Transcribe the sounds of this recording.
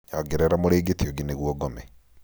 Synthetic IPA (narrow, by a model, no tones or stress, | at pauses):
ɲaɡeɾɛɾamoɾeːɡetioɡeneɣwɔɡɔmɛ